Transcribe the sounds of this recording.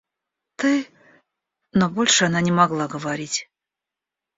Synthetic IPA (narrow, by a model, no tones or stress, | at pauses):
t̪ɨj | nobolʲʂɨananʲɪmaɡlˠaɡəvaɾʲitʲ